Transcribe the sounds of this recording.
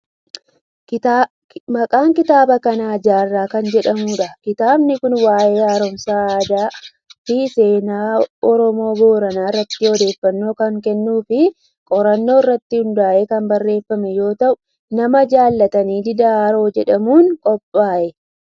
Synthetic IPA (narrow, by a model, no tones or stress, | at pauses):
mɐkʼaːŋkɪt̪aːbɐkɐnaːd͡ʒaːrːaːkɐnd͡ʒɛᶑɐmuːᶑɐkɪt̪aːbnɪkʊnwaːjeːaːɾɔmsaːd̪aː | fɪse̞ːnaːɔɾɔmo̞ːɡo̞ːɾɐnaːɪrːɐt̪ːɪɔd̪e̞ːfːɐnːo̞ːkɐŋkɛnːuːfɪ | kʼɔɾɐnːo̞ːrːɐt̪ːɪhʊnd̪aːʔeːkɐmbɐrːe̞ːfːɐmɛjo̞ːt̪ɐʔʊ | nɐmɐd͡ʒaːlːɐt̪ɐniːd̪ɪd̪aaːɾo̞ːd͡ʒɛᶑɐmuːnkʼɔpʼːaːʔɛ